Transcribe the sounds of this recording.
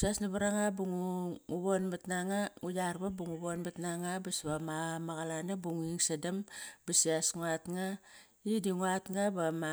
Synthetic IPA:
siasnaβaɾaŋabuŋuuβonbatnaŋaŋujaɾbabuŋuβonbatnaŋabasβamamaɣalanabuŋiŋsadambasiasŋuatŋa | idiŋuatŋabama

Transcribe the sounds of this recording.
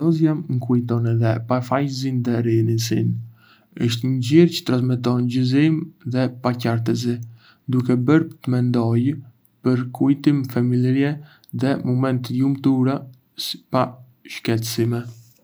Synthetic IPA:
ɔzjamŋkujt̪ɔnɛðɛpafajzind̪ɛɾinisin | əʃt̪ɲəɟiɾcə̥t̪ɾasmɛt̪̬ɔnɟəzimðɛpacaɾt̪əzi | d̪ukɛbəɾpət̪əmɛnd̪ɔj | pəɾkujt̪imfamilɾjɛ | ðɛmɔmɛnt̪jumt̪uɾa | si̥pa | ʃkɛt̪simɛ

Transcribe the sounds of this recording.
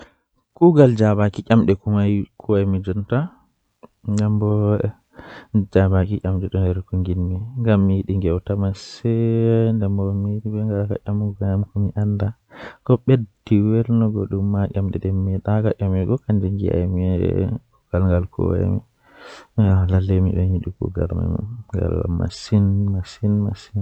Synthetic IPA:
kuɡald͡ʒabakiʔʲamɗɛkumajkʰɔɛmid͡ʒɔnta | ŋɡambɔ | d͡ʒabakiʔʲʼamɗɛɗɔnɛɾkuŋɡinmiŋɡamːijiɗiŋɡɛwtamasɛndɛmbɔmiɗibɛŋɡaka̰ʔamuɡjamkumiʔanda | kɔɓediwɛɾnɔɡɔ̰ɗumːaʔʲamɗɛɗɛmːiɛɗakaʔʲamɛɡɔkand͡ʒiŋɡḭa̰jmiɛ | ɡ̥alŋɡalkʰɔ̰ɛ̰mḭ | lalːemḭɓɛɲiɗukṵɡa̰lma̰ŋɡa̰lma̰sinmasinmasin

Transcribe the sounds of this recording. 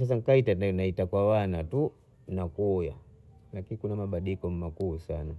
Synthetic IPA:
sas̬aŋ̩kaitanaitakwawanatu | nakuja | lakinikunamaɓaɗiikɔmmakusana

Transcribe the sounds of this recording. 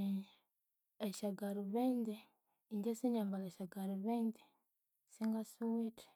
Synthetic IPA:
eʃaɡaɾuβeːnde | ɲɟesiɲambaleʃaɡaɾuβeːndi | siŋɡasuwetʰe̥

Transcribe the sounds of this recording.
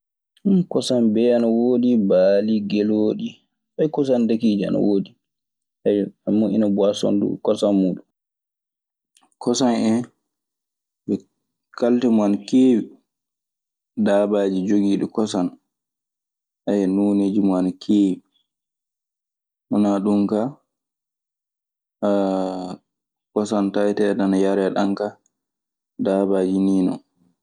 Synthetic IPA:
nkɔsanbɛanawoːɗibaːliɡɛloːɗi | bajkɔsandakiːd͡ʒia̰na̰woːɗi | ajamuʔinabwasɔ̰ndṵkɔsanmuːɗu | kɔsanɛn | ʔɛ | kaltɛmɔankeːwi | daːbaːd͡ʒid͡ʒoɡiːɗɔkɔsan | ʔajɛnuːneːd͡ʒimɔankʰeːwi | hɔnaɗumka | kɔsantajtɛdanajaɾɛɗaŋka | daːbaːd͡ʒiniːnɔ̰

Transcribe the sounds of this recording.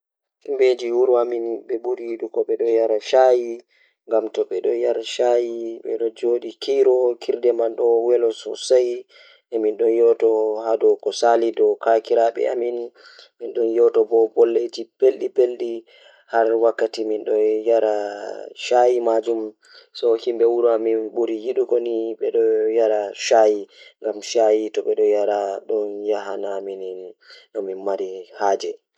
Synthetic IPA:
imbed͡ʒiwuɾuaminɓɛbuɾiɗukɔɓɛɗɔjaɾaʃaji | ŋɡamtɔɓɛɗɔjaɾaʃajiɓɛɗɔd͡ʒoɗikʰijɾɔkʰiɾdɛmanɗɔwɛlɔsɔ̰saj | ʔɛminɗɔnjɔtɔhadɔkɔsalidɔkakiɾaɓɛ̰a̰min | minɗɔnjɔtɔbɔbɔlːetipelɗipelɗi | haɾwakːatiminɗɔjaɾaʃajimad͡ʒum | sɔhimbɛwuɾuaminɓuɾijiɗukoniɓɛɗɔjaɾaʃajiŋɡamʃajitɔɓɛɗɔjaɾaɗɔnjaɦanaminɗɔminmaɾihaːd͡ʒɛ

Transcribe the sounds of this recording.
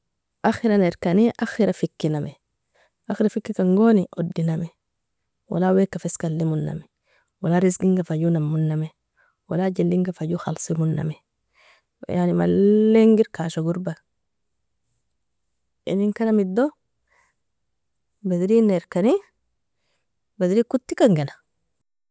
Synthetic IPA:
ʔaxiɾaneɾkaniʔaxiɾafikːinamɛ | axiɾafikːikaŋɡoniʔodːinamɛ | wa̰lawekːafeskalːimunːa̰mɛ | walaɾisɡiŋɡafaɟunamːunːame | wa̰laɟindiŋɡafaɟuxa̰lsimunːa̰me | janima̰lːeŋɡiɾkaʃaɡuɾbal | ḭniŋkanamid̪ːo | bad̪iɾineɾkani | bad̪ɾikut̪ːikaŋɡena

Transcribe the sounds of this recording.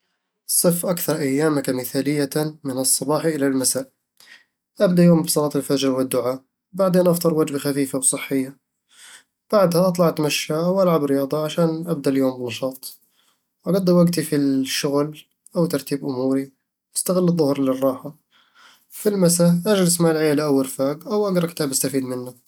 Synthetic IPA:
sˤɨfːʔakθɑɾˤʔajːaːmakamɪθaːlɪjːamɪnɨsˤːɑbɑːħʔɪlalmasaːʔ | ʔabd̪aʔjoːmbsˤɑlɑːt̪ɪlfad͡ʒɾwɪd̪ːʊʕaː | baʕd̪eːnʔɑft̪ˤɨɾˤwad͡ʒbaxafiːfawsˤɨħːɪjːa | b̥aʕd̪haʔɑt̪ˤlɑʕɪt̪maʃːawʔalʕabɾɪjɑːd̪ˤɑʕaʃaːnʔab̚d̪aʔljoːmbɪnɑʃɑːt̪ˤ | wʔaɡad̪ːawaɡt̪ifiʃːʊɣl | ʔawt̪ɑɾˤt̪iːbʔʊmuːɾi | ʔast̪aɣɪlːðˤːʊhɾlɪrˤːɑːħa | filmasaʔad͡ʒlɪsmaːlʕɪjːalɪʔawːalfaːɡʔawʔaɡɾˤɑkɪt̪aːbast̪afiːd̪mɪnːa

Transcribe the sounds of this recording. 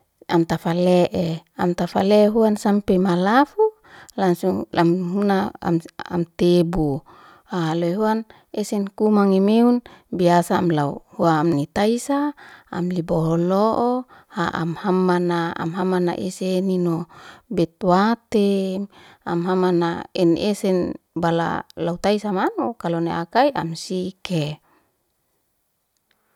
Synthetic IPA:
amt̪afalɛʔeamt̪afalɛɦuansampemalafu | laŋsuŋlamɦuna̰ | a̰mt̪ebu | alojɦuan | esɛnkumaŋimeunbiasaːmlauhuaːmnit̪aisa̰ːmlibɔɦɔloʔohaʔa̰mhamːanaa̰mɦamana̰ʔeseninobɛt̪̚wat̪e | amɦamanaɛnesɛn | bala̰laut̪aisamanukaloneakaiamsike

